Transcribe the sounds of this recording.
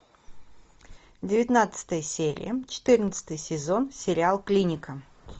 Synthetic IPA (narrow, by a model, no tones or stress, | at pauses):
dʲɪvʲɪt̪ʲnat̪sɨ̥t̪əjəsʲeɾʲɪ̰jət͡ɕɪ̥t̪ɨrnət̪sə̥t̪əjsʲɪzo̞nsʲɪɾʲɪalˠklʲinʲɪkə